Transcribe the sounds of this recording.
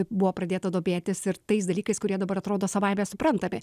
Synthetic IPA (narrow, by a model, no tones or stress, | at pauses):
bʊʋoːpɾɐd̪ʲeːt̪ɐd̪oːbʲeːt̪ʲɪsɪɾt̪ɐɪs̬d̪ɐlʲiːkɐɪskʊɾʲiɛd̪ɐbɐɾɐt̪ɾoːd̪oːsɐʋɐɪmʲeːsʊpɾɐnt̪ɐmʲɪ̰